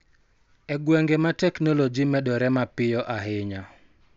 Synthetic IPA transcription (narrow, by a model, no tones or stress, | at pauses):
ɛɡwɛŋɡematɛknɔlod͡ʒimɛɗɔɾɛmapɪjɔʔaɦɪɲa